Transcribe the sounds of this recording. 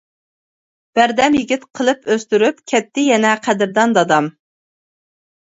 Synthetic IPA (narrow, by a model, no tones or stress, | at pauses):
b̥æɾd̪ɛmjɪɡʲit̪qʰəlˠɨpʰøst̪yɾypkʲʰɛt̪ːɪjɛnɛqʰæd̪ɪɾd̪ɑnd̪ɑd̪ɑm